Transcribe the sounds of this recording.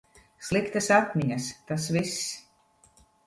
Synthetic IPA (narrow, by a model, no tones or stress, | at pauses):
slˠikt̪asat̪ʲmʲiɲʲast̪as̬vis